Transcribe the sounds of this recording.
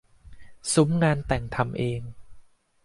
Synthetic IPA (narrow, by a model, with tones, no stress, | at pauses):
su˩˦mŋaː˧nt̪ɛ˨˩ŋt̪ʰa˧mʔeː˧ŋ